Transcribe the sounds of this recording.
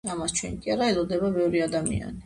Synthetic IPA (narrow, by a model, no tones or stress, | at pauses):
amast͡ʃʰwɛnikʼiaɾaɛlɔd̪ɛbabɛvɾiad̪amḭa̰ni